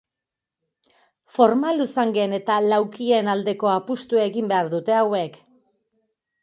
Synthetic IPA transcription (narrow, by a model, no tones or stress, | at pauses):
fo̞ɾmalusaŋɡe̞ne̞t̪alawkie̞nald̪e̞ko̞apust̪uaeɣimbe̞aɾðut̪e̞awe̞k